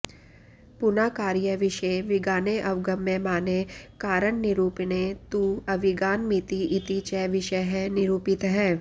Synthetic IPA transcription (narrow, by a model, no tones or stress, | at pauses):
pʊnaːkaːɾjəʋɪʃeʋɪɡaːneʔɐʋɡəmːẽmaːnekaːɾəɳnɪɾuːpnet̪uːɐʋɪɡaːnmit̪iʔɪt̪it͡ʃɛʋɪʃəɦɛnɪɾuːpɪt̪ɦɛː